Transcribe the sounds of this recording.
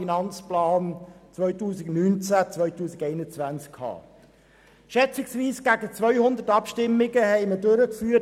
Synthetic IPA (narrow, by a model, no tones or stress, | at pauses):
inɑnt͡splɑːnt͡sʋœʏtuːsɪɡnynt͡sæt͡sʋœʏtuːsɪɡɛɪnət͡sʋænt͡skkʰhɑ̰ː | ʃɛt͡sɪksʋiːsɡ̥æɡət͡svʋœʏhʊnd̪ətɑpʃtɪmːɪɡəhɛɪmədøɾəkfyːə